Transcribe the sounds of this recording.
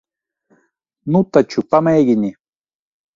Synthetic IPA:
nʊt̪at͡ʃʊpamajɡɪni

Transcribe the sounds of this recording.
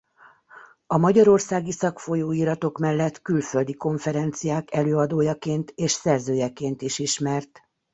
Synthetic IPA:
ɒmɒɟɒɾo̞rsaːɡisɒkfo̞joːiɾɒt̪o̞kmɛlːɛt̪kylføld̪iko̞ɱfɛɾɛnt̪sijaːkɛløːɒd̪oːjɒkeːnt̪eːʃsɛrzøːjɛkeːnt̪iʃiʃmɛrt̪

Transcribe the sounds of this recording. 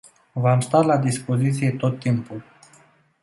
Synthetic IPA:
vamst̪alad̪ispo̞zit̪sije̞t̪o̞t̪ːimpul

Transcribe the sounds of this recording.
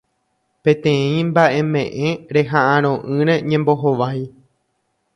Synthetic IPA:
pẽ̞t̪ẽ̞ĩmbaʔe̞mẽ̞ʔẽ̞ɾe̞ɦaʔãɾ̃õ̞ʔɨ̃ɾẽ̞ɲẽ̞mbo̞ɦoʋaj

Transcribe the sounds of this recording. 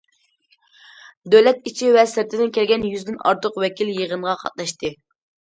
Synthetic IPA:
d̪øwlɛt̪̚it͡ʃʰivɛsɪɾt̪ʰɪd̪ɪnkʲʰɛlɡʲɛnjyzd̪ɪnɑ̰ɾt̪ʰəqwɛkʲiljəʁənʁɑqʰɑ̰t̪̚lˠɑʃt̪ɨ

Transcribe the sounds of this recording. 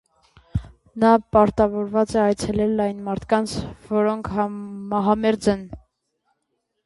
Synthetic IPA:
nɑpɑɾt̪ɑvɔɾvɑt͡sɛɑjt͡sʰɛlɛlɑjnmɑɾt̪ʰkɑnt͡sʰvɔɾɔŋkʰɑmɑɦɑmɛɾd͡zɛn

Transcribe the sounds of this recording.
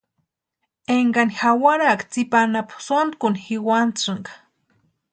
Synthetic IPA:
eŋɡanixawaɾakt͡sipanapsond̪kunixiwant͡sɨŋɡḁ

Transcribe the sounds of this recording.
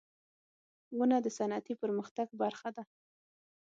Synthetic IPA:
ɣunad̪əsanat̪ipəɾməxt̪aɡbaɾxad̪a

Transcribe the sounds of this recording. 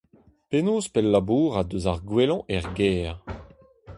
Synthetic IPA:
penoːspɛlːabuːʁad̪øzaʁɡwelɔ̃ʔɛʁɡɛːʁ

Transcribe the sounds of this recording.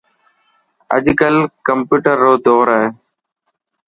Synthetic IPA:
ə̰ʄkəlkəmpuːʈəɾːoːd̪oːɾaɦeː

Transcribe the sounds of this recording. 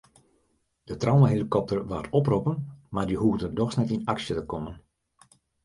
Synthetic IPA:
d̥ətrawməɦelikɔp̚tərʋaːtɔpropənmardiɦuɣdəndɔxsnɛtinaksjətəkɔmən

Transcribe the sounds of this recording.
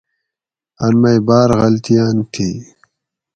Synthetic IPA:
ɐnmɐjbaːɾɣɐlt̪ijaːnt̪ʰiː

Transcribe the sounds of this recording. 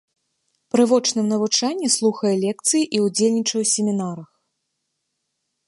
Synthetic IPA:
pɾɨvɔt͡ʂnɨmnɐvut͡ʂanʲːɛslˠuxɐjɛlʲɛkt̪sɨjiʔiud͡zʲelʲnʲit͡ʂɐwsʲemʲinaɾɐx

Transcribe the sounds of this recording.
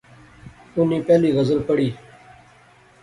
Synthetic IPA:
ʊniːpɛːliːɣəzəlpəɽiː

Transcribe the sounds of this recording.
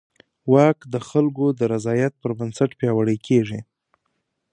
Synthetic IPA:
wɑkd̪əxalɡod̪əɾazɑjat̪̚pəɾbansaʈpjɑwaɽəjkʰeʐi

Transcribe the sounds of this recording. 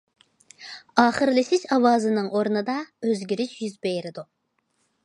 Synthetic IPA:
ɑːχɨɾlɪsɪʃɑwɑːzɨnɨŋʔoɾnɨd̪ɑøzɡʲiɾiʃjyzbejɾɪd̪u

